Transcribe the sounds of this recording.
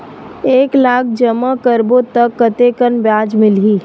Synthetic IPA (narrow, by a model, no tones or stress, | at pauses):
eːklaːk̚ʰd͡ʒɐmakəɾbot̪ɐkːɐt̪ekənbjaːd͡ʒmɪlɦiː